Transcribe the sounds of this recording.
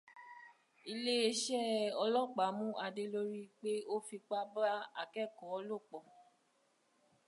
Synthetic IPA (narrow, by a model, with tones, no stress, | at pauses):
i˧le˦e˧ʃɛ˦˨ɔ˧lɔ˦˨k͡pa˨˦mũ˦ʔa˧de˧lo˧ɾi˦k͡pe˦o˦fi˧k͡pa˦ba˦a̰˧˨kɛ˦˨kɔ˨˦˧lo˦˨k͡pɔ˨